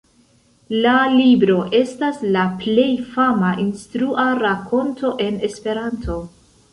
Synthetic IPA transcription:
lalibɾo̞ʔe̞staslaple̞jfamaʔinstɾuaɾakʰo̞nto̞ʔe̞ne̞spe̞ɾantʰo̞

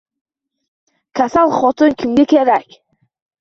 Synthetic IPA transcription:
kʲʰasalˠχɔt̪ʰɨnkʲʰɪmɡʲekʲʰeɾakʲ

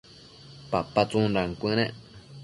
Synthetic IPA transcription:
papat͡sũnɾaŋkʷɨ̃nẽʔ

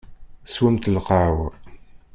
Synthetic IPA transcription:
swəmt̪lqɑːw

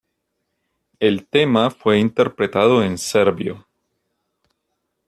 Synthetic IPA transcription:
elt̪e̞mafwe̞int̪e̞ɾpɾe̞t̪aðo̞ense̞ɾbjo̰

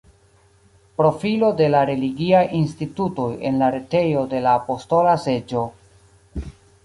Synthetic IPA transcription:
pɾo̞filo̞de̞laɾe̞liɡiajinstituto̞je̞̰nlaɾe̞te̞jo̞de̞laːpo̞sto̞lase̞d͡ʒo̞

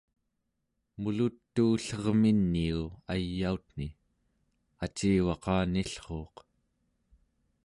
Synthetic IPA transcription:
mulut̪ːuːɬʌʁminːiuajːaut̪n̥i | at͡ʃiːwɑqɑːniɬχo̞ːq

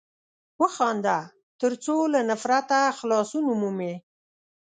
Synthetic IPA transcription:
wəxɑnd̪a | t̪əɾt͡solanafɾat̪axlɑsunumume

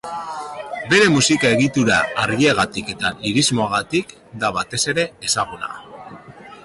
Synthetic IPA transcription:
be̞ɾe̞musikae̞ɣit̪uɾa̰ːɾɣieɣ̞at̪ike̞t̪aliɾizmo̞aɣat̪ik | d̪aβat̪e̞se̞ɾe̞ːsaɣ̞una̰

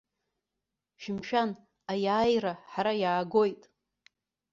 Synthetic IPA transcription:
ʃɪmʃᶣan | ajaːjraħaɾajaːɡo̞jtʼ

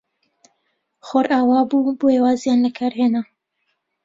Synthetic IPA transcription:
xoɾʔaːwaːbuːboeːwaːzjaːnlɐkʰaːɾheːna

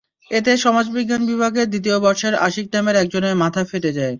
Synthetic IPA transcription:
et̪eʃɔmad͡ʑbiɡːanbibʱaɡed̪it̪̬iobɔɾʃeɾa̰ʃik̚ʈemeɾɛk̚d͡ʑonemat̪ʰafeʈed͡ʑae

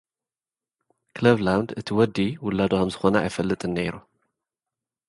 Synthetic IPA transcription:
kʰlɐβlawnd̪ɨt̪ʰiwɔd̪iwʊlːad̪okɐmzɨxo̞nɐa̰jfɐlːɨt̪ʼɨnːeɾu

